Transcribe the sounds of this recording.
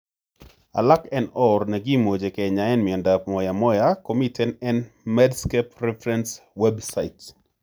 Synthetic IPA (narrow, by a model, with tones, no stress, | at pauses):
a̰˨la˦kɛnɔ˦ɾnɛ˨ɡi˦mo˨d͡ʒe˨kɛ˨ɲa˨ɛ˦nmiɛ˨nda˨p̚mɔja˨mɔ˦jakomitɛ˦nɛ˦nmɛdskɛpɾɛfɾɛnswɛbsaɪt